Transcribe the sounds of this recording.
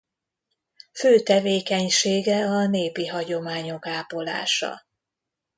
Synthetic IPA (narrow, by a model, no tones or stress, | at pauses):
føːt̪ɛveːkɛɲʃeːɡɛɒneːpiɦɒɟo̞maːɲo̞kaːpo̞la̰ːʃɒ̰